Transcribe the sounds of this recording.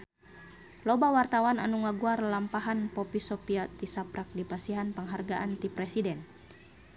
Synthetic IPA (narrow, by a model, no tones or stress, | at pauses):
lɔbawart̪awana̰nuŋaɡuarlampaɦanpɔpisɔpiat̪isapɾak̚dipasiɦanpəŋɦarɡaʔant̪ipɾɛsidɛn